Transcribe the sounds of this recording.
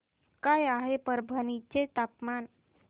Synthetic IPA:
kajaɦepəɾbʱənit͡ɕet̪apman

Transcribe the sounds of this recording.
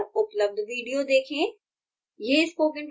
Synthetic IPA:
ʊpləb̚d̪ʋiːɖijod̪eːkʰẽː | jeɪspoːkɪ̃ɳʈ

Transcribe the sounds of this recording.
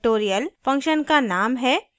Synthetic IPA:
ʈoːɾijəlfɐ̃ŋkʃənkanaːmɦɛː

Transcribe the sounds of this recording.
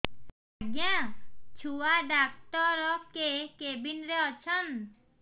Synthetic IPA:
aɡjat͡ʃʰuaɖak̚ʈɔɾɔkekebinɾeɔt͡ɕʰɔn

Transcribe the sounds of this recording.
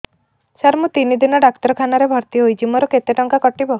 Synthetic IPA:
saɾmut̪inid̪inɔɖakt̪ɔɾɔkʰanaɾebʱɔɾt̪iɦojd͡ʒimɔɾɔket̪eʈɔŋkakɔʈibɔ

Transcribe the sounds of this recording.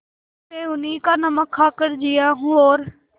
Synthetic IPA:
t̪eːʊnĩːkaːnəməkʰːaːkəɾd͡ʒijaːɦũːoːɾ

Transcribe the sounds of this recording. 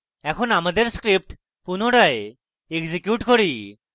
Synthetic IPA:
ɛkʰonamad̪eɾskɾip̚ʈ | punoʈae | eɡzikjuʈkoɾi

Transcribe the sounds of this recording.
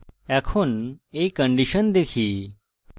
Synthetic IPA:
ɛkʰunekːə̃ɳɖiɕənd̪ekʰiː

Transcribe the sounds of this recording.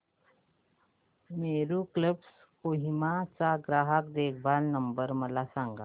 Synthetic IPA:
meːɾukləps | koːɦimat͡ʃaɡɾaːɦək̪̚d̪eːkʰbaːlnəmbəɾməlasãːŋɡaː

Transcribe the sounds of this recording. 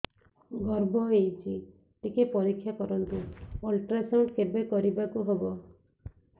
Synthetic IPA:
ɡɔɾbɔejt͡ʃʰi | t̪ikepɔɾikʰːjakɔɾɔnt̪uolʈɾasawɳʈkebekɔɾibakuɦebɔ

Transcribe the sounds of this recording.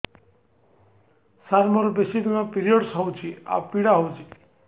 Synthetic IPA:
saɾmɔɾɔbesid̪imapiɾiɔɖsɦɔwt͡ʃʰia̰piɽaɦowt͡ʃʰi

